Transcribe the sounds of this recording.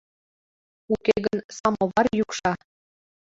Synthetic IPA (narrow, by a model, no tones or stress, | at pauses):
ukeɣənsɑmoβɑrjukʃɑ